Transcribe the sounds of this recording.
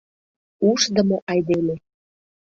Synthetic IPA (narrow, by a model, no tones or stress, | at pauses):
uʃd̪ə̆moʔɑjd̪ele